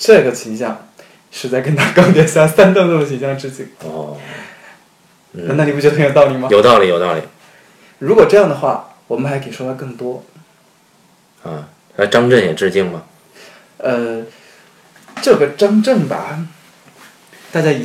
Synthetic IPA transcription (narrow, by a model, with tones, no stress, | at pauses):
ʈ͡ʂɤ˥˩ɡə˩t͡ɕʰi˧˥ŋɕjɑ˥˧ŋ | ʂɻ̩˧˥˧t͡sa˥˩ɪkə˥nt̪ʰa˥kɑ˥ŋt̪jɛ˧˥˩ɕja˥˩sa˥nt̪ŋt̪d̪ə˩t͡ɕʰi˧˥ŋɕjɑ˥˧ŋʈ͡ʂɻ̩˥t͡ɕi˥˩ŋɔ˧˩ | n̩˥˩˥na˥˩ni˨˩pu˩t͡ɕɛ˥ə˧˥jt̪ɑ˥˩ʊli˨˩mɐ˧jo˨˩ʊt̪ɑ˥˩ʊli˨˩jo˨˩ʊt̪ɑ˥˩ʊlḭ˨˩ | ɻu˧˥kwɔ˨˩ʈ͡ʂɤ˥˧jɑ˥˩ŋd̪ə˩xwa˥˩ | wɔ˨˩mə˦nxa˧˥ɪke˨˩ɪʂwɔ˥wa˥ɪkɤ˥˩ŋt̪wɔ˥ | ə˧˩ | a˥ɪʈ͡ʂɑ˥ŋʈ͡ʂə˥˩ŋjɛ˨˩ʈ͡ʂɻ̩˥˧t͡ɕi˥˩ŋmɐ˩ | ə˧ | ʈ͡ʂɤ˥˩ɡə˩ʈ͡ʂɑ˥ŋʈ͡ʂə˥˩ŋbɐ̰˩ | t̪a˥˧˩t͡ɕja˥i˨˩